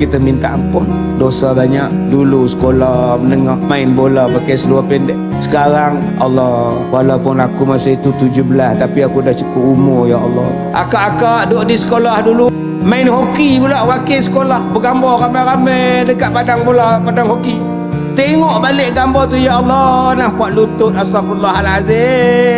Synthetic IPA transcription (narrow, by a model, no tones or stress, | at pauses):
kit̪əmint̪aʔampʊn | dosabaɲaʔdulusə̥kolahmənəŋɔhmaɪnbolahpakajsəluahpɛndɛʔ | sə̥kaɾaŋ | ɑ̰lːɔhkwalapʊnakumasait̪ut̪ud͡ʒʊhbəlast̪apiakudaht͡ʃukʊpumʊrjaɑlːɔ̰ | ʔa̰kaʔakaʔdoʔdisə̥kolahdulu | maɪnhokibulaʔwakesə̥kolahbəɡambɔramajɾamajdəkaʔpadaŋbolapadaŋhoki | t̪eiŋɔʔbalɪʔɡambɔt̪ujaɑlːɔnahpuaʔlut̪ʊt̪̚asɾafulːaɦalaze